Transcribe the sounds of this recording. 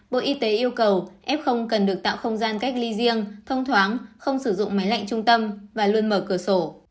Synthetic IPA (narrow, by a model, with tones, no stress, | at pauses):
ɓo̰˧˨ʔi˧t̪e˨˦ʔi˧əwkə˨˩wʔɛ˦˥p̚xə˧wŋ͡mkə˨˩nɗɨ˨˩ək̚t̪a̰ː˧˨wxə˧wŋ͡mzaː˧nka˦˥k̚li˧zi˧əŋt̪ʰə˧wŋ͡mt̪ʰwaː˨˦ŋxə˧wŋ͡msɨ˧˩zʊ̰˧˨ŋ͡mma˨˦jla̰˧˨jŋ̟t͡ɕʊ˧ŋ͡mt̪ə˧mvaː˨˩lu˧ənməː˧˩kɨ˧˩əso˧˩